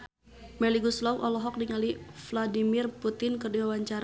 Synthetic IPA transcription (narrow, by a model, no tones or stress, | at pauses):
mɛliɡuslɔwʔɔlɔɦɔk̚diŋalifladimɪrput̪ɪnkərdiwawaɲt͡ʃaɾ